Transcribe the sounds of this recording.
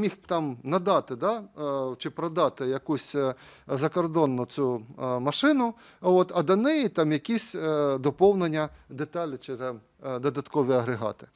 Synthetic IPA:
mʲixt̪ɑmnɐd̪ɑt̪ɪd̪at͡ʃɪpɾɐd̪ɑt̪ɪjɐkusʲzɐkɔrd̪ɔnːʊt͡sʲumɐʃɪnʊ | ɔt̪ɐd̪ɐnɛjit̪ɑmjɐkʲisʲd̪ɔpɔwnenʲːɐd̪et̪ɑlʲɪt͡ʃɪm | d̪ɔd̪ɐt̪kɔʋʲiɐɦɾeɦɑ̰t̪ɪ̥

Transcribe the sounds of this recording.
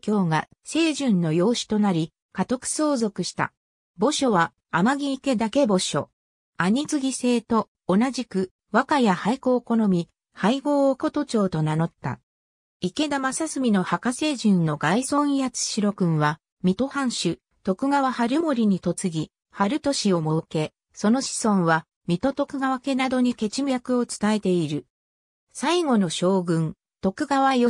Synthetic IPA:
kʲo̞ːɡa | se̞ːʑɨ̃nːo̞jo̞ːɕi̥t̪o̞naɾʲi | kat̪o̞kɯ̟̥so̞ːzo̞kɯ̟ɕi̥t̪a̰ | bo̞ɕo̞βaː | maɡʲiːke̞d̪ake̞bo̞ɕo̞̰ | aɲ̟it͡sɨɡʲise̞ːt̪o̞ː | naʑikɯ̟ | βakajahaiko̞ːko̞no̞mʲi | haiɡo̞ːoko̞t̪o̞t͡ɕo̞ːt̪o̞nano̞t̪ːa̰ | ike̞d̪amasasɨmʲino̞hakase̞ːʑĩnːo̞ɡaisõ̞ɰ̃ijat͡sɨ̥ɕiɾo̞kɯ̟̃ɰ̃βa | mʲit̪o̞hãɰ̃ɕɨ | t̪o̞kɯ̟ɡaβahaɾɯ̟mo̞ɾʲiɲ̟it̪o̞t͡sɨɡʲi | haɾɯ̟t̪o̞ɕio̞mo̞ke̞ | so̞no̞ɕi̥sõ̞ɰ̃βa | mʲit̪o̞t̪o̞kɯ̟ɡaβake̞nad̪o̞ɲ̟ike̞t͡ɕimɯjakɯ̟o̞t͡sɨ̥t̪ae̞t̪e̞iɾɯ̟ | saiɡo̞no̞ɕo̞ːɡɯ̟̃n | t̪o̞kɯ̟ɡaβaio

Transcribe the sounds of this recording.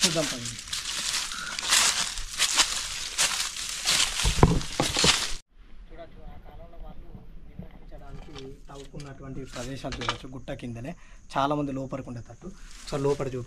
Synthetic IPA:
sud̪ɐmpɐjii | t͡ʃuːɽɐt͡ʃːuaːkaːlɐmloːʋaːlːueɐiɲt͡ʃːɐɽaːnikit̪ɐʋukunːɐʈuʋɐɳʈipɾɐd̪ɛːʃaːlut͡ʃuːɽɐt͡ʃːuɡuʈːɐkind̪ɐneːt͡ʃaːlaːmɐnd̪ilɔːpɐɾukuɳɖet̪ɐʈːusɐlɔːpɐɽɐt͡ʃuː

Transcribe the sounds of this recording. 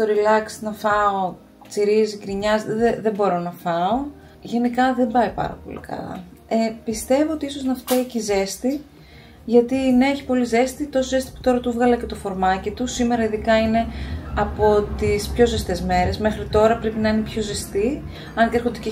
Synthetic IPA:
st̪o̞ɾilɐksi̥nɐfɐo̞ | t͡siɾizikɾiɲɐzðeðe̞mbo̞ɾo̞nɐfɐo̞ | ʝe̞nikɐðe̞mbɐipɐ̰ɾɐ̰po̞̰lḭkɐ̰lɐ̰ | epist̪e̞voot̪iisoznɐft̪eicize̞st̪i | ʝɐt̪ineeçi̥po̞lize̞st̪it̪o̞soze̞st̪i̥pu̥t̪o̞ɾɐt̪uvɣɐlɐce̞t̪o̞fo̞ɾmɐcit̪usime̞ɾɐiðikɐine̞ɐpo̞t̪ispço̞ze̞st̪e̞zme̞ɾe̞zme̞xɾit̪o̞ɾɐpɾe̞pinɐine̞pço̞ze̞st̪i | ɐnt̪eɾxod̪ece

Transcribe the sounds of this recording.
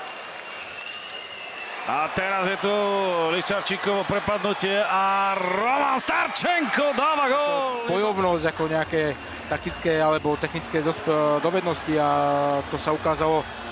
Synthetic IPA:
at̪ɛɾazjɛt̪ulit͡ʃaɾt͡ʃikɔʋɔpɾɛpad̪nucɪɛaɾɔmanst̪aɾt͡ʃɛŋkɔd̪aːʋaɣɔlbɔjɔʊnɔzɟakɔɲɛakɛː | t̪ak̚t̪it͡skɛːalɛbɔt̪ɛxnit͡skɛːd̪ɔsd̪ɔʋɛd̪nɔsciat̪ɔsaukaːzalɔ

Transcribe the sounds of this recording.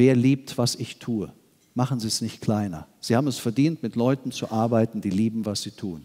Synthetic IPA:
veːɐliːp̚tv̥asɪçtʰuːə | maχn̩ziːɛsnɪçtkʰl̥aɪnɐ̰z̥iːhaːbm̩ɛsfɛɐdiːntmɪtlɔʏtn̩t͡suʔaɐbaɪtn̩d̥iːliːbm̩vasz̥iːtʰuːn

